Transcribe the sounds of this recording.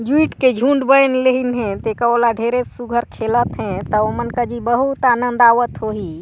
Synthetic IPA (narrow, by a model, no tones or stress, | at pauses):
d͡ʒuiʈked͡ʒʱũɳɖbəjnleɦinɦɛ̃t̪ekaolaɖʱeɾesuɡʱəɾkʰelət̪ɦɛ̃t̪ɔomənkəd͡ʒibəɦut̪anənd̪aʋət̪ɦoɦi